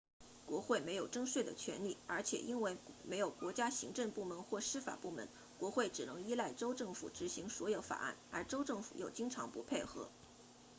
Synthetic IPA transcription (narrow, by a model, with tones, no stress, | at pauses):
kwɔ˧˥xwe˥˩ɪme˧˥ɪjo˨˩ʊʈ͡ʂɤ˥ŋʂwe˥˩ɪd̪ə̰˩t͡ɕʰɥɛ̰˧˥nli˥˩ə˞˧˥t͡ɕʰjɛ̰˨˩ʔi˥nwe˥˧˩ɪme˧˥ɪjo˨˩ʊkwɔ˧˥t͡ɕja˥ɕi˧˥ŋʈ͡ʂɤ˥˧ŋpu˥˩mə˧˥nxwɔ˥˩ʂɻ̩˥fa̰˨˩pu˥˩mə̰˧˥n | kwɔ˧˥xwe˥˩ɪʈ͡ʂɻ̩˨˩nɤ˧˥ŋi˥la˥˩ɪʈ͡ʂo˥ʊʈ͡ʂɤ˥˩ŋfṵ˨˩ʈ͡ʂɻ̩˧˥ɕi˧˥ŋswɔ˧˥jo˧˥ʊfa̰˨˩a̰˥˩nə˞˧˥ʈ͡ʂo˥ʊʈ͡ʂɤ˥˩ŋfṵ˨˩jo˨˩ʊt͡ɕi˥ŋʈ͡ʂʰɑ̰˧˥ŋpu˧˥pʰe˥˩ɪxɤ̰˧˥